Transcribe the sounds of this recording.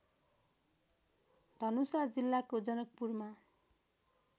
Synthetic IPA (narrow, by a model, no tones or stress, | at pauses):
d̪ʱʌnusad͡zilːakod͡zʌnʌk̚purma